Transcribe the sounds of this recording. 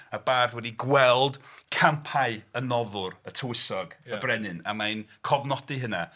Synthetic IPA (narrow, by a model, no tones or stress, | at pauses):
əbaːrðwɛdiɡwɛlˠd̥kʰampʰaɨənɔðʊrətʰəwɪsɔɡəbrɛnɨna̰majnkʰɔvnɔdɨɦəna